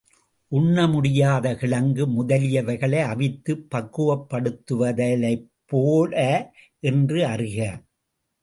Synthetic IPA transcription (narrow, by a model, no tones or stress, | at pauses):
ʔʊɳːɐmʊɽɪjaːðɐɣɪɭɐŋɡɯmʊðɐlɪjɐʋɐɪɣɐɭɐɪɐʋɪt̪ːɯpːɐkːɯʋɐpːɐɽɯt̪ːɯʋɐðɐlɐɪpːoːlɐ | ʔɛndrɯɐrɪɣɐ